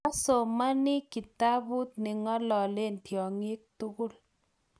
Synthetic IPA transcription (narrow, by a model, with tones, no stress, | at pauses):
a˦so˨ma˦ni˦ki˨ta˦bu˦t̪̚nɪ˨ŋɔ˦lɔ˨le˦ntjɔ˨ŋɪ˦k̚tu˦ɣʊ˦˨l